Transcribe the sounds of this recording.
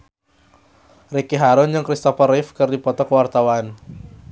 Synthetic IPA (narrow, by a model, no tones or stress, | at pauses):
rikiɦaɾʊnd͡ʒɨŋkɾist̪ɔfɔrɪfkɨrdipɔt̪ɔkəwart̪awan